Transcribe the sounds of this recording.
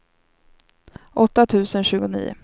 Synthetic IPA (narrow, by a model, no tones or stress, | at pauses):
ʔɔt̪ːat̪ʰʉ̟ːsənɕʉ̟ːɡʊnḭːʊ̰